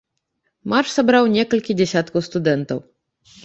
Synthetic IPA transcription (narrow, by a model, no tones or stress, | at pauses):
marʂsabɾawnʲɛkɐlʲkʲid͡zʲɛsʲat̪kɐwst̪ud̪ɛnt̪ɐw